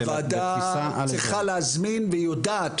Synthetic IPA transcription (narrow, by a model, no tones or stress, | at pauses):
vada | at͡siχaleazminvejodat̪